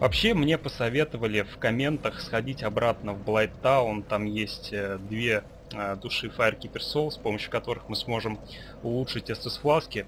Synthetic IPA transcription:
vɐpɕːemnʲe̞pəsɐvʲe̞t̪əvəlʲɪfkɐmʲe̞nt̪əxsxɐdʲitʲɐbɾat̪nəvblˠajt̪ːaont̪amjesʲtʲːd̪vʲe̞ | əd̪ʊʂɨfaɪrkʲɪpʲɪrso̞lˠspo̞məɕːʊ̥kɐt̪o̞ɾɨxmɨsmo̞ʐɨm | ʊlˠuʂɨtʲɛst̪əsflˠaskʲɪ

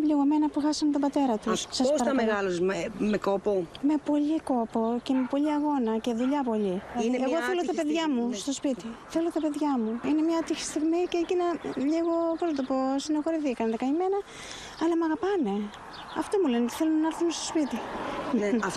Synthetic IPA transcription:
ʎiɣome̞nɐpuxɐsɐmet̪obɐt̪e̞ɾɐt̪ussɐsosɐɾɐmeɣɐlosemekopome̞po̞ʎiko̞poce̞me̞po̞ʎiɐɣo̞nɐce̞ðuʎɐpo̞ʎiɐiieɣo̞θelo̞t̪ɐpeðʝɐmust̪o̞spit̪iθe̞lo̞t̪ɐpe̞ðʝɐmuine̞mɲɐt̪içi̥st̪iɣmiceːcinɐʎiɣoposnɐt̪o̞po̞sinexo̞ɾiθikɐnðɐkɐɲime̞nɐ | ɐlɐmɐɣɐpɐne̞ | ɐft̪o̞mule̞net̪i̥θe̞lonɐnɐɐɾθunest̪o̞̥spit̪i | ɐf

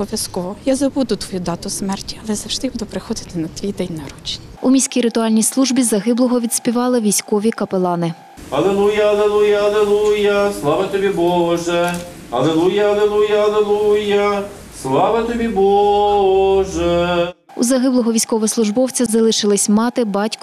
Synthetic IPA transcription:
ɔʋʲjɐskɔʋɔjazɐbud̪ʊt̪ʋɔjud̪ɑt̪ʊsmɛrtʲiɐlˠɛzɐwʒd̪ɪbud̪ʊpɾɪxɔd̪ɪt̪ɪnɐt̪ʋʲijd̪ɛnʲnɐɾut͡ʃnʲiumʲisʲkʲijɾɪt̪ʊɑlʲnʲijslˠuʒbʲizɐɦɪblˠɔɦɔʋʲid̪sʲpʲiʋɑlˠɪʋʲijsʲkɔʋʲikɐpelˠɑnɪ | ɐlˠelˠujɐɐlˠelˠujɐɐlˠelˠujɐslˠɑʋɐt̪ɔbʲibɔɦʒɛ | ɐlˠelˠujɐɐlˠelˠujɐɐlˠelˠujɐ | slˠɑʋɐt̪ɔbʲibɔɦʒɛ | ṵzɐɦɪblˠɔɦɔʋʲijsʲkɔʋɛslˠʊʒbɔwt͡sʲɐzɐlˠɪʃɪlˠɪsʲmɑt̪ɪbɑtʲk

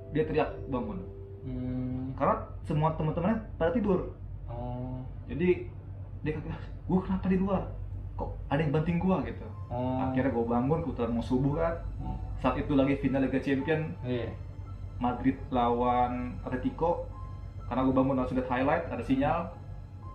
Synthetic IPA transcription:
diat̪əɾiak̚baŋʊn | kaɾnasəmuat̪əmənt̪əmanɲapadat̪ibʊr | d͡ʒadi | diakakilah | ɡ̥uakənapadiluarkɔʔadajŋbant̪ɪŋɡuaɡit̪ua̰iɾɲaɡuabaŋʊnkəbut̪ulanmɔŋsubʊkansaat̪it̪ulaɡifinalaɡat͡ʃɛmpiən | madɾɪt̪̚lawanat̪it̪ikɔ | karnaɡuabaŋʊnasʊdɛt̪hajlajt̪̚adasiɲal

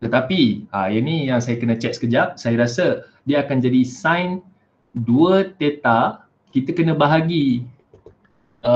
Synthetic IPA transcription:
t̪ət̪apiajanijaŋsajakənə̃t͡ʃɛk̚sə̥kəd͡ʒaʔ̚sajaɾasə | diəːkand͡ʒadisãjn | duət̪et̪a | kit̪əkənə̃baɦaɡi

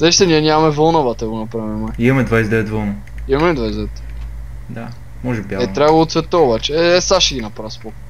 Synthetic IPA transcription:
zɛʃt̪ɛnʲiɛnʲamɐmɛvɔlˠnovat̪ɐɡonɐpɾavimajimɐmɛd̪vajsd̪ɛvɛt̪vɔlˠnɐ | imɐmɛd̪vajsd̪ɛvɛt̪ | d̪a | mɔʒɛbʲiaɛt̪ɾavlˠot̪svɛt̪oobat͡ʃɛɛsaʃɛɡinɐpɾavspɔk

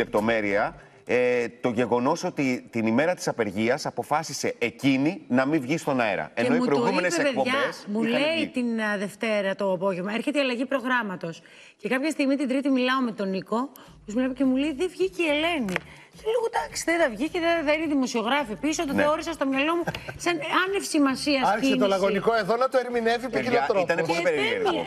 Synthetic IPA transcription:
ep̚t̪o̞me̞ɾiɐ | t̪o̞ʝe̞ɣo̞no̞so̞t̪it̪inime̞ɾɐt̪i̥sɐpe̞ɾʝiɐsɐpo̞fɐsise̞ecininɐmĩvʝist̪o̞nɐḛɾɐ̰enenoimutɾooɣuienepsepeðʝɐesmuleit̪inðe̞ft̪e̞ɾɐt̪o̞ɐpo̞ʝe̞vmɐeɾçeiɐlɐʝipɾo̞ɣɾɐmɐt̪o̞s | ce̞kɐpçɐst̪iɣmit̪id̪ɾit̪imilɐo̞me̞t̪o̞niko̞ | posmuepoce̞muleiðevʝiciele̞ni | θeleɣod̪ɐksi̥ðeðɐvʝiceðeðɐineðimo̞sio̞ɣɾɐfipisot̪eoɾisɐst̪omɲɐlo̞musɐnɐnefsimɐsiɐsɐçsiset̪olɐɣonikoe̞ðonɐt̪oeɾmine̞vipikilot̪ɾot̪ɐneolipeɾee

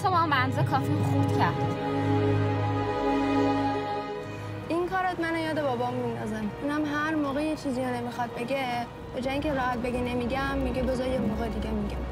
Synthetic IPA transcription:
t̪omɒmbænzekʰɒːfixuːb̪̥cʲʰæɾd̪̥ | ʔiŋkʰɒːɾæt̪mænojɒːd̪ebɒːbɒmind̪ɒzænunæmɦæɾmoːɣejet͡ʃʰiːzijonemixɒd̪̚be̞ɡe | b̥ed͡ʒɒjiːŋcʲʰeɾɒːhæt̪̚beɡenemiɟæmːiɟebezɒjemoːɣed̪iɡʲemiɟʲæm

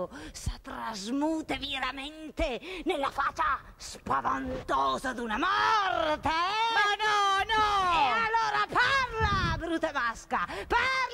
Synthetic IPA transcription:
sat̪ɾazmuːt̪eviɾament̪enelːafat͡ʃːa | spavant̪ɔːzad̪unamɔrt̪eanɔnɔalːoːɾaparlabɾut̪emaskapar

